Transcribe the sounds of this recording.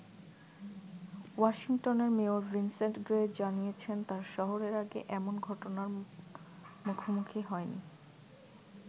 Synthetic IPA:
waʃiŋʈoneɾmeoɾvinsenʈɡɾed͡ʑanijet͡ɕʰent̪aɾʃɔɦoɾeɾaɡḛʔɛmonɡʱɔʈonaɾ | mukʰomukʰiɦɔenḭ

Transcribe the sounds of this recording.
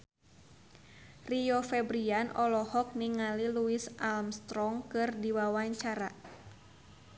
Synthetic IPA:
riɔfɛbɾianʔɔlɔhɔk̚niŋaliluisalmst̪ɾɔŋkɨrdiwawaɲt͡ʃaɾa

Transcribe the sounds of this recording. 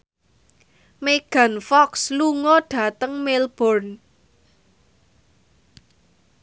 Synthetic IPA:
meɡ̥a̤nfɔksluŋɔɖ̥ä̤t̪əŋmelb̥ɔrn

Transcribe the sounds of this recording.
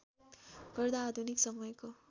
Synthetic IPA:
ɡʌɾd̪aːd̪ʱuniksʌmʌjko

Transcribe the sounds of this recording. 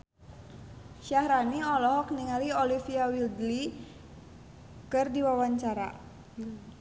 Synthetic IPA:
ʃahɾaniɔlɔɦɔk̚niŋaliolifiawild̪li | kɨrdiwawaɲt͡ʃaɾa̰

